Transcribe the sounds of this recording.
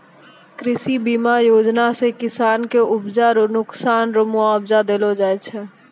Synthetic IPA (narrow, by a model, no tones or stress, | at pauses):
kɾɪsibiːmajoːd͡ʒnasekɪsaːnkeʊbd͡ʒaɾonʊksaːnɾʊmuabd͡ʒad̪eːlod͡ʒaːet͡ʃʰɛ